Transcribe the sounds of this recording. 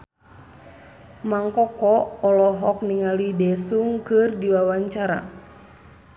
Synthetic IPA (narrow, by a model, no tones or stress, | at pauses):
maŋkɔkɔːlɔɦɔk̚niŋalidɛsuŋkɨrdiwawaɲt͡ʃaɾa̰